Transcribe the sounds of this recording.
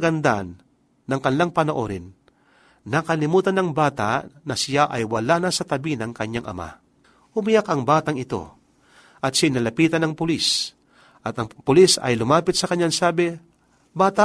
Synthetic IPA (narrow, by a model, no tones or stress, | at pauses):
ɐɡɐnd̪anː | ɐŋkɐnɪlaŋpɐnoʔo̰ɾɪnː | ɐkɐlɪmuːt̪ɐnɐŋbaːt̪a̰nɐsɪjaʔɐjwɐlanɐsɐt̪ɐbinɐŋkɐɲːaŋʔɐ̰ma̰ | hʊmɪjakɐŋbaːt̪ɐŋɪt̪o̞̰ | ʔɐt̪̚sɪɪnɐlɐpiːt̪ɐnɐŋpʊlis | ʔɐt̪ɐŋpʊlisɐ̰jlʊmaːpɪt̪sɐkɐɲːaŋsaːbɪ | baːt̪a